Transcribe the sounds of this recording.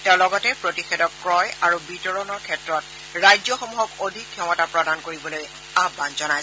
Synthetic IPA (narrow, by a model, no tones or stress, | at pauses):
taɹlɔɡɔtɛpɹotixedɔkːɹɔjaɹubitɔɹɔnɔɹkʰɛtɹɔt | ɹajzɔxɔmuɦɔkodʱikʰːjɔmɔtapɹɔdankoɹibɔloj | abanzɔnaj